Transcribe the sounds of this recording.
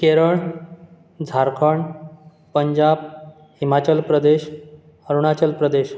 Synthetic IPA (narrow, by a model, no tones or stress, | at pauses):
keɾəɳ | d͡zʱaɾkʰəɳ | pəɲd͡ʑab̚ | himat͡ɕəlpɾəd̪eɕ | əɾuɳ̃at͡ɕəlpɾəd̪eɕ